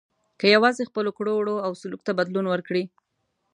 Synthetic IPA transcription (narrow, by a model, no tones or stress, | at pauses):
kəjawɑzexpəlokɽoɽoawsʊluk̚t̪abad̪lunwəɾkɽi